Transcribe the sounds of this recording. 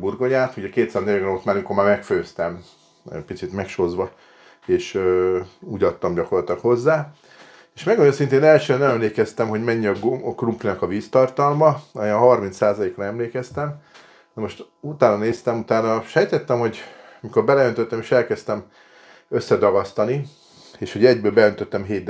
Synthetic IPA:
burɡoɲaːt̪uɟɛkeːt̪saːznɛjɡnot̪maːɾmikomaːrmɛkføːst̪ɛm | ɛ̰cpit̪sit̪mɛkʃozʋɒ | eːʃøuːɟɒt̪ːɒmɟɒko̞rlɒt̪ɒkho̞zːaː | eːʃmɛɡonosint̪eːnɛlʃøːnɛɛmleːkɛst̪ɛmɦo̞ɟmɛɲːiɒɡkrumplinɒkɒviːst̪ɒrt̪ɒlmɒenɦɒrmint̪saːzɒleːkrɒɛmleːkɛst̪ɛm | nɒmo̞ʃt̪ | ut̪aːnɒneːst̪ɛmut̪aːnɒʃɛjt̪ɛt̪ːɛmhoɟ | mikorbɛlɛønt̪øt̪ːɛmeːʃɛlkɛst̪ɛm | øsːɛd̪ɒɡɒst̪ɒni | eːʃho̞ɟɛɟbøːlbɛø̞nt̪øt̪ːɛmɦeːtd̪̚

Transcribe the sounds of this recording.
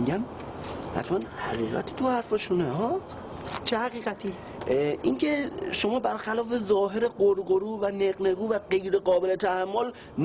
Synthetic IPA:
ɡæm | hæ̰t̪ʰmænhæɣiːɣæ̰t̪ʰiːt̪ʰuhæɾfeʃunehɒː | t͡ʃʰehæɣiːɣæt̪ʰiː | ʔiŋcʰe̞ʃo̞mɒːbæɾxælɒːfe̞zɒːɦeɾeɢoɾɢoɾuːvæneɣneɡuːvæɢe̞jɾe̞ɢɒːbele̞t̪ʰæhæmːol | n

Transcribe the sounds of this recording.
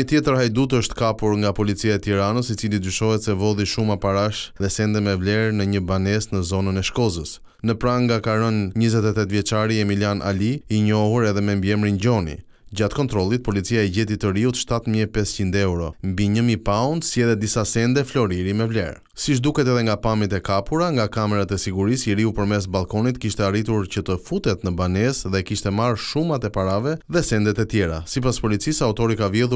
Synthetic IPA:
ət̪jɛt̪əɾhajd̪ut̪əʃt̪kapuɾŋɡapɔlit͡siaɛt̪iɾanəsit͡silid̪yʃɔɦɛt̪sɛvɔðiʃumapaɾaʃðɛsɛnd̪ɛmɛvlɛɾnəɲəbanɛsnəzɔnənɛʃkɔzəs | nəpɾaŋɡakaɾənɲəzɛt̪ɛt̪ɛt̪vjɛt͡ʃaɾiɛmilianʔa̰liiɲɔɦuɾɛðɛmɛmbjɛmɾinɟɔnḭ | ɟat̪kɔnt̪ɾɔlˠit̪̚pɔlit͡siaɛɟɛt̪it̪ːəɾiut̪ʃt̪at̪miɛpɛscind̪ɛwɾɔmbiɲəmipaunt̪siɛðɛt̪̚d̪isasɛnd̪ɛflɔɾiɾimɛvlɛ̰ɾ | siʃ̬d̪ukɛt̪ɛðɛŋɡapamit̪ɛkapuɾaŋɡakamɛɾat̪ɛsiɡuɾisiɾiupəɾmɛs̬balˠkɔnit̪kiʃt̪ɛarit̪uɾcət̪əfut̪ɛt̪nəbanɛsðɛkiʃt̪ɛmaɾʃumat̪ɛpaɾavɛðɛsɛnd̪ɛt̪ɛt̪jɛɾa̰sipaspɔlit͡sisaut̪ɔɾikavjɛlˠu

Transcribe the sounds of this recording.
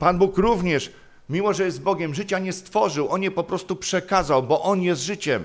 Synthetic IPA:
panbukɾuvɲɛʂ | mʲimɔʐɛjɛzd̪̚bɔɡʲɛmʐɘt͡ɕaɲɛst̪fɔʐɘwʔɔnjɛpɔpɾɔst̪upʂɛkazawbɔʔɔnjɛst̪ʐɘt͡ɕɛm

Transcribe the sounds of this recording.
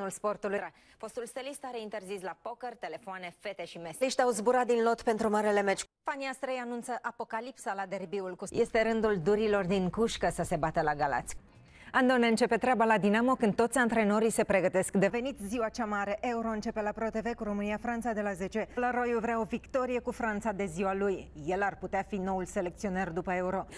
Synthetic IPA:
ulspo̞rt̪uluɾa | fo̞st̪ulst̪elist̪aɾeint̪e̞rzislapo̞kərt̪e̞lefoane̞fe̞t̪e̞ʃimesliʃt̪ʲawzbuɾat̪̚d̪inlo̞t̪pe̞nt̪ɾumaɾele̞met͡ʃfaniast̪ɾejanunt̪səʔapo̞kalipsalad̪e̞rbiulkuje̞st̪e̞ɾɨnd̪uld̪uɾilo̞rd̪iŋkuʃkəsəse̞bat̪əlaɡala̰t̪sʲ | and̪o̞neɨnt͡ʃe̞pe̞t̪ɾeabalad̪inamo̞kɨnt̪o̞t̪sʲant̪ɾe̞no̞ɾise̞pɾe̞ɡət̪e̞skd̪e̞ve̞nit̪ʲziwat͡ʃamaɾe̞ʔe̞uɾo̞ɨnt͡ʃe̞pe̞lapɾo̞t̪e̞ve̞kuɾo̞mɨnijafɾant̪sad̪e̞laze̞t͡ʃelaɾo̞juvɾao̞vikt̪o̞ɾije̞kufɾant̪sad̪e̞ziwalujːe̞larput̪eafino̞ulse̞le̞kt̪sio̞nerd̪upəe̞uɾo̞

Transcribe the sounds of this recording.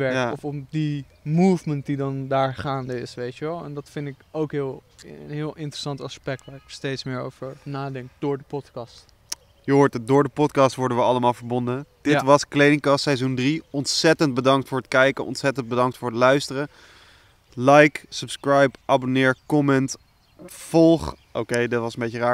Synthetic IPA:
ʋɛɹaɔfɔpdi | muːvmənt̚didɑndaːɹχaːndəɪsʋejtjəʋɛlˠɛ̰ndɑtfɪndɪkowkɦɪːlˠnɦɪːlˠʔɪntrəsɑntɑspɛk̚tʋaːɹɪkstejtsmɪːɹo̰wvəɹnaːdɛŋk̚d̥ʊːɹdəpɔtkɑst | jəɦʊːɹtədʊːɹdəpɔtkɑːstʋɔɹdənʋəɑləmaːlˠvəɹbɔndəd̥ɪtʋɑsklejdɪŋkɑstsɛjzundriɔntsɛtənd̚bədɑŋktfʊːɹətkɛjkənʔɔ̰ntsɛtənd̚bədɑŋk̚tfʊːɹɦətlœɥstərə | lɛjksɵpskrajpʔabonɪːɹkɔmɛnt | fɔlˠχ | ʔowkejdɪtʋɑsənmbejçəraːɹ

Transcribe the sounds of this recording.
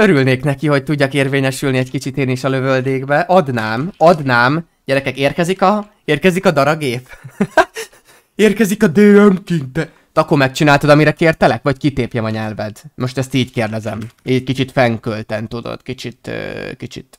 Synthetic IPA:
ø̞ɾylneːknɛkiho̞c̚t̪uɟːɒkeːrveːɲɛʃylniɛɟkit͡ʃit̪eːniʃɒlø̞vøld̪eːɡbɛʔɒd̪naːmɒd̪naːm | ɟ̥ɛɾɛkɛkeːrkɛzikɒ | eːrkɛzikɒd̪ɒɾɒɡeːp | eːrkɛzikɒd̪eːɛmkin̚d̪ɛ | t̪ɒkːormɛk̚t͡ʃinaːlt̪od̪ɒmiɾɛkeːrt̪ɛlɛkvɒckit̪eːpjɛmɒɲɛlvɛd̪mo̞ʃt̪ɛst̪iːɟkeːrd̪ɛzɛmeːɛc̚kit͡ʃit̪fɛŋkølt̪ɛnt̪ud̪o̰d̪̥kit͡ʃit̪ø̰ːkit͡ʃḭt̪

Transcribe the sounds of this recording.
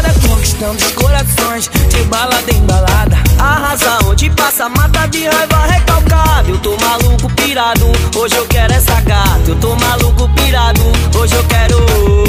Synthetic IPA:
ɾɐkõiʃt̪ɐ̃mʊzɐkoɾasõj̃sd͡ʒɪbalad̪ẽj̃balad̪ɐahazɐ̃w̃ot͡ʃɪpasɐmat̪ad͡ʒiãjvahekawkad̪ewt̪omalukʊpiɾad̪ʊoʒɪewkɛɾʊɛsakat̪ewt̪omalukʊpiɾad̪ʊoʒɪewkɛɾʊ

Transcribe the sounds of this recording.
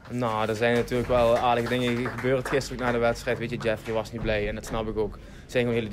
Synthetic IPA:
noːdərzɛjnatyːləkʋɛlˠaːɹdəɣədɪŋəɣəbøːrətxɪstəroknaːdəʋɛtstrɛjtʋetjəd͡ʒɛfriʋɑsniblɛjɛndɑtsnɑpɪkoːk | sɛjkonhɪːlˠə

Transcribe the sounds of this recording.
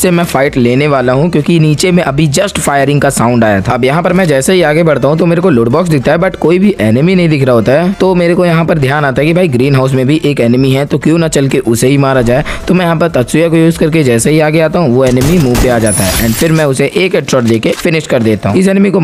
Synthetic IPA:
semɛ̃faːɪʈleːneʋaːlaɦũkjõːkiniːt͡ʃemẽʔɐbʱid͡ʒɐsʈfaːjəɾɪ̃ŋɡkasãːʊ̃ɳɖaːja̰t̪ʰaɐbjɐɦãpɐɾmɛ̃d͡ʒɛːsaɦiaːɡebɐɽt̪aɦũt̪omeːɾekolʊːʈbɔːks̬d̪ɪk̚ʰt̪aɦɛbɐʈkoːibʱiʔɛːnɪminɐɦĩd̪ɪkʰɾaɦoːt̪aɦɛt̪omeːɾekojɐɦãpɐɾd̪ʱjaːnaːt̪aɦɛkibʱaːiɡɾiːnɦaːʊs̬mẽbʱiʔeːkɛːnmiɦɛt̪okjõːnat͡ʃɐlkeʔʊseɦimaːɾad͡ʒaːet̪omɛ̃jɐɦãpɐɾt̪ɐt̪sɪjakojuːzkɐɾk̬ed͡ʒɛːsaɦiaːɡeaːt̪aɦũʋoɛːnɪmimuːʋpeaːd͡ʒaːt̪aɦɛ̰ʔɛ̰̃ːɳɖfɪɾmɛ̃ʊseʔeːkɛːʈɾɔːʈd̪eːkefɪnɪʃkɐɾd̪eːt̪aɦṵ̃ɪsɛːnmiko

